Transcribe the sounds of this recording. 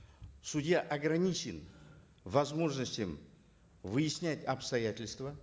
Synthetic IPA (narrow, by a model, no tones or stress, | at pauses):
sʊdʲjaʔɐɡɾɐnʲit͡ɕɪn | vɐzmo̞ʐnəsʲtʲɪm | vɨjɪsʲnʲætʲɐpst̪ɐjætʲɪlʲst̪və